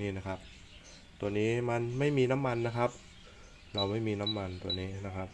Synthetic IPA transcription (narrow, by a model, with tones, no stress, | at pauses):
niː˥˩na˦˥kʰa˦˥p̚ | t̪u˧ɐniː˦˥ma˧nma˥˩jmiː˧na˦˥mːa˧nːa˦˥kʰa˦˥p̚ | ɾa˧wma˥˩jmiː˧na˦˥mːa˧nt̪ṵ˧ɐniː˦˥na˦˥kʰa˦˥p̚